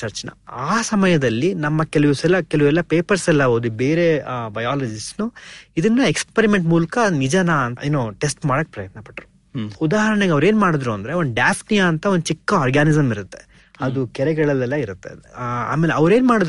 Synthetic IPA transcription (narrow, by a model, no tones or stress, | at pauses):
t͡ʃɐɾt͡ʃɐnɐ̰aːsɐmɐjɐd̪ɐlːinɐmːɐkɛluʋusɛlːɐkɛluʋɛlːɐpe̞ːpɐɾsɛlːɐboːd̪ubeːɾe̞bɐjaːlɐd͡ʒisnuid̪ɐnːɐekspeɾime̞ɳʈmuːlɐkɐnid͡ʒɐnaɐneːnoʈesʈmaːɽɐkːepɾɐjɐt̪nɐpɐ̥ʈːɐɾu | ud̪aːɦɐɾɐɳɐɡɐʋɐɾe̞ːnmaːɽid̪ɾuɐnd̪ɐɾeo̞nd̪ɖjaːpʰnijaːnt̪ɐond̪ut͡ʃikːɐaːɾɡaːnizɐmiɾut̪ːe̞ | ɐd̪ukɛɾɛɡɐɭɐlɛlːɐiɾut̪ːea̰ːmeːleɐʋɐɾe̞ːnmaːɽd̪